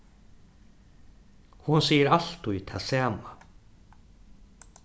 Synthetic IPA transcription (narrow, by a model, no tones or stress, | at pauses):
hʊnsiːjəɾal̥t̪ujt̪ʰasaːma